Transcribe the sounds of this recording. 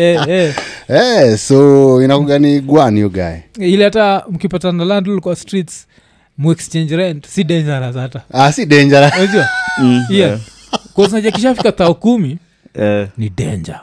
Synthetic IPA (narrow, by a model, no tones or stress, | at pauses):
ɛɛɛsɔinakuɡaniɡwanijɔɡa̰ɛilihatam̩kipatanalandulikɔastɾits | muɛkst͡ʃɛɲd͡ʒɾɛndsiɗɛɲd͡ʒaɾazataasiɗɛɲd͡ʒaɾaad͡ʒiwaja | kɔz̬nad͡ʒakiʃafikaθaɔkumi | nidɛɲd͡ʒa